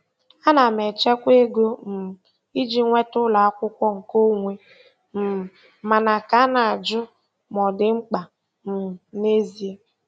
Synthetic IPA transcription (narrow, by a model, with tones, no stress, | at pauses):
a˦na˨me˨t͡ʃe˦kʷe˦ɡo˦m̩˨ | i˦d͡ʒi˦ŋʷe˦tʊ˦la˨a˦kʷʊ˦kʷɔ˦ŋ̩˨ko˦ŋʷe˦ | m̩˨ | ma˨na˨ka˦na˨a˨d͡ʒʊ˦ | mɔ˨dɪ˨ŋ͡m̩˦k͡pa˨ | m̩˨ne˦zi˨e˦